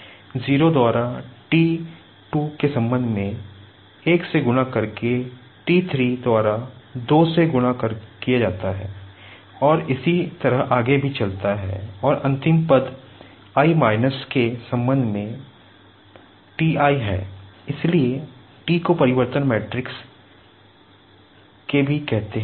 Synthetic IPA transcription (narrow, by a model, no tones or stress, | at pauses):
ziːɾod̪waːɾaʈiː | ʈukesɐ̃mbə̃nd̪ʱmẽ | eːkseɡʊnakɐɾke | ʈiːt̪ʰɾiːd̪waːɾad̪oːseɡʊnakəɾkijad͡ʒaːt̪aɦɛ̰ː | ɔːɾɪsit̪ɐɾəɦaːɡebʱit͡ʃɐlt̪aɦɛ̰ːɔːɾɐ̃nt̪ɪ̃mpəd̪ | aːimaːɪnəskesɐ̃mbə̃nd̪ʱmẽ | ʈiːaːiɦɛ̰ːɪslie | ʈiːkopɐɾɪʋəɾt̪ənmɛːʈɾɪks | kebʱikɛɦt̪eɦ